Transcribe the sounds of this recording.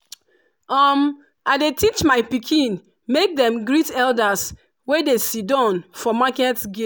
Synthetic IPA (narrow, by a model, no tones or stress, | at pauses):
ɔm | aɪdetit͡ʃmaɪpikʰĩn | mek̚dɛ̃mɡɹitɛldas | wedesidɔ̃nfɔmakɛtɡe